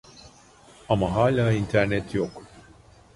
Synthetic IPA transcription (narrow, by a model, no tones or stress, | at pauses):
ɐmːɐɦɐːlɐɪnt̪ɛɾnɛt̪jɔkː